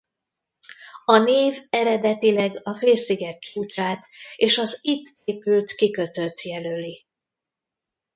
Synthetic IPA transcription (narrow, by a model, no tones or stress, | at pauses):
ɒneːvɛɾɛd̪ɛt̪ilɛɡɒfeːlsiɡɛt̪̚t͡ʃuːt͡ʃaːt̪eːʃɒzit̪ | eːpylt̪kikø̞t̪ø̞t̪jɛlølːi